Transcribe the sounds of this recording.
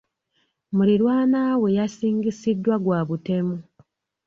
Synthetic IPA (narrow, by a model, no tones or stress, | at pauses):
muliɾwaːnaːwe̞jasiːŋɡisidːwaɡwaːβute̞mu